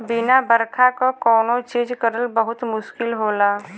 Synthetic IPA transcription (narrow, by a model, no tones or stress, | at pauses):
bɪnabəɾkʰakokɔːnot͡ʃiːd͡ʒkəɾəlbəɦʊt̪mʊʃkɪlɦoːlaː